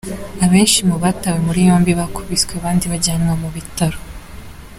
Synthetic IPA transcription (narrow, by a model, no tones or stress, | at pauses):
aβe̞ːnʃimuβatawemuɾijo̞ːmbiβakʰuβiskweaβaːndiβaɟaːnomuβitaɾo